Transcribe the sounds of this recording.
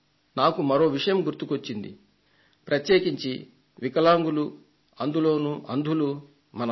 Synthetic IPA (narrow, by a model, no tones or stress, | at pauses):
naːkumɐɾo̞ːʋiʂɐjɐmɡuɾt̪ukʋot͡ʃːind̪ḭ | pɾɐt̪je̞ːkiɲt͡ʃi | ʋikɐlaːŋɡulu | ɐnd̪ulo̞ːnuʔɐnd̪ʱulu | mɐnɐ